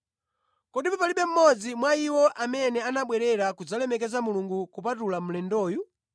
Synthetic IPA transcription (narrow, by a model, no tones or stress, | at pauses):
kɔɗipapaliɓɛm̩mɔd͡zimwaiwɔʔamɛnɛanaɓwɛɾɛɾakud͡zalɛmɛk̬ɛzamuluŋɡukupatulam̩lɛndɔːju